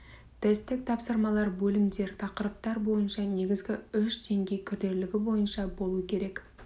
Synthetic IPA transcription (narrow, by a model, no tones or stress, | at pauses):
t̪ʰest̪ɪk̚t̪ʰɑpsəɾmɑlˠɑɾbɵlɪmd̪e̞ɾt̪ʰɑqəɾəp̚t̪ɑɾbo̞jənʃɑne̞ɡʲɪzɡʲɪʏʃd̪e̞ŋɡʲe̞jkʲʰʏɾd̪e̞ɾlɪɡʲɪbo̞jənʃɑbo̞lˠuəkʲʰe̞ɾe̞k